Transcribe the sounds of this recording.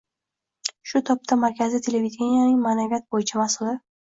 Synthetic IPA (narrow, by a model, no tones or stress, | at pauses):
ʃʊt̪ʰɒp̚t̪ʰamaɾkʲʰazɪt̪ʰe̞levid̪ʲenijanɪŋmanavʲat̪̚bojɪt͡ʃʰamasʊld̪a